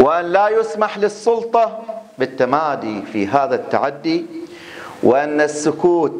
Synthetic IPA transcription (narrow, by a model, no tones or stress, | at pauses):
wɪʔanlaːjʊsmaħlɪsˤːʊlt̪ˤɑbɪt̪ːamaːd̪iːfḭɦaːðat̪ːa̰ʕad̪ːi | wɪʔanːasːʊkuːt̪